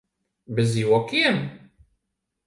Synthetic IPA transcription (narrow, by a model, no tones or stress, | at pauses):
bəziwækːim